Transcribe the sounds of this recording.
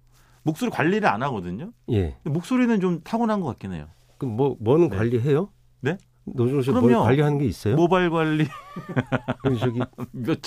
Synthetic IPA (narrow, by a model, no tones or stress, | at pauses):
mok̚s͈oɾikwaʎːiɾɯɭa̰naɡʌdɯɲoje̞̰ɯndemok̚s͈oɾinɯnt͡ɕomtʰaɡunɦanɡʌk͈at̚k͈inḛjo̰ | kɯmwʌmwʌnɯnkwaʎːiɦe̞jo | ne̞ | nod͡ʑuɕ̬ʰiɯɾʌmjʌnwaʎːiɦanɯnɡe̞is͈ʌjomobaɭɡwaʎːi | kɯt͡ɕʌɡimʌt͡ɕ